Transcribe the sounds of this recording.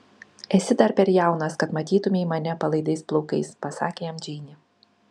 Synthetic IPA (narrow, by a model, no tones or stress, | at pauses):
ɛsʲɪd̪ɐɾpʲɛɾʲjæˑʊnɐskɐt̪mɐt̪ʲiːt̪ʊmʲeimɐnʲɛpɐlˠɐɪd̪ɐɪsplˠɔʊkɐɪspɐsɑːkʲeːjɛmd͡ʒʲɛːnʲɪ